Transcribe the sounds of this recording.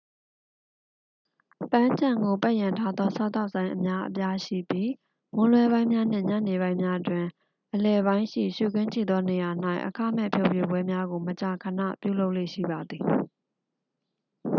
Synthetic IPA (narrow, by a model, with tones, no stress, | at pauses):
pã˦ɲt͡ɕã˨ŋɡo˨pa˦ʔjã˨ntʰa˦d̪ɔ˦sʰa˦˨t̪a˦ʊʔsã˦ɪ̃ʔə˨mja˦ʔəpja˦ʃḭ˦˨pji˦ | mʊ̃˦lwɛ˦βã˦ɪ̃mja˦n̥ɪ̰̃˦˨ɲa̰˦˨ne˨βã˦ɪ̃mja˦ʔətwɪ̃˨ | ʔəlɛ˨βã˦ɪ̃ʃḭ˦˨ʃṵ˦˨kɪ̃˦ɲt͡ɕʰḭ˦˨d̪ɔ˦ne˨ja˨n̥a˦˨ɪʔəkʰa̰˦˨mɛ̰˦˨pʰjo˦ʊpje˨bwɛ˦mja˦ɡo˨mət͡ɕa˨kʰə˨nä̰˦˨pjṵ˦˨lo˦ʊʔlḛ˦˨ʃḭ˦˨ba˨d̪ði˨